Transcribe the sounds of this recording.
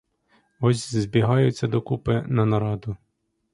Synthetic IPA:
ɔsʲzbʲiɦɑjʊt͡sʲːɐd̪ɔkupɪnɐnɐɾɑd̪ʊ

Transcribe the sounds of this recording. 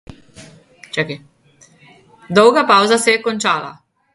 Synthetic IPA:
t͡ʃɛki | d̪ɔwɡapawzasɛkɔnt͡ʃaːla̰

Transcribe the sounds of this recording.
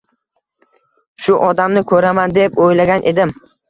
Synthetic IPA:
ʃʊʔɒd̪amnɪkʰɵɾamand̪epojlaɡʲanʔe̞d̪ɪm

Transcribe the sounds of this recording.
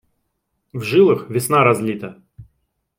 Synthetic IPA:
vʐɨlˠɨxvʲɪsnaɾɐzlʲit̪ə

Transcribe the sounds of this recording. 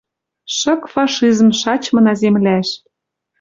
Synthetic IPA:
ʃɤ̆kfɑʃizmʃɑt͡ɕmɤ̆nɑzemlæʃ

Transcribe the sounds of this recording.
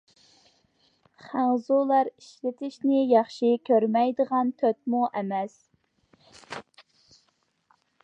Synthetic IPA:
χæŋzulˠɑɾiʃlɪt̪ʰɪʃnɪjɑχʃikʲʰøɾmɛjd̪əʁɑnt̪ʰøt̪̚muʔɛmɛs

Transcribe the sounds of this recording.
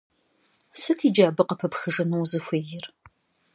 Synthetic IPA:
sɨkʰiːd͡ʒaːbɨqɐpʰɐpxɨʐɨnuwzɨxʷeːjɪr

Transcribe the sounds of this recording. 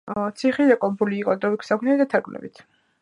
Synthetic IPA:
t̪sʰiχidakʼɔbuliːqʼɔd̪ɾɔwikʰsakʰnɛid̪at̪ʰaɾɡlɛ̰bḭt̪ʰ

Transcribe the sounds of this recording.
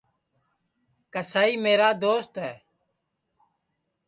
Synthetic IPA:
kəsaːiːmeːɾaːd̪oːst̪ɦɛː

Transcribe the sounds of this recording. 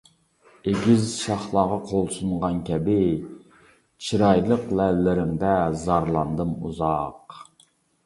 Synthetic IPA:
eɡʲizʃɑχlˠɑːʁɑqʰolˠsunʁɑnkʲʰɛbɪ | t͡ʃʰiɾɑjlˠəqlɛllːɪɾɪmd̪ɛzɑɾlˠɑnd̪ɨmṵzɑq

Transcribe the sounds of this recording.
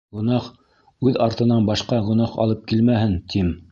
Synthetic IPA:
ɡŏnɑχ | ʉðɑɾt̪ɤ̆nɑnbɑʃqɑʁŏnɑχɑ̰lˠɤp̚kilmæhɘnt̪ʰim

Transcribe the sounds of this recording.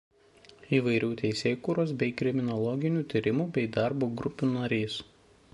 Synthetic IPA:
iːʋɐɪɾʲuːt̪ʲɛɪsʲeːkuːɾoːsbʲɛɪkɾʲɪmʲɪnɔlˠɔɡʲɪnʲuːt̪ʲiːɾʲɪmuːbʲɛɪd̪ɑˑɾboːɡɾʊpʲuːnɐɾʲiːs

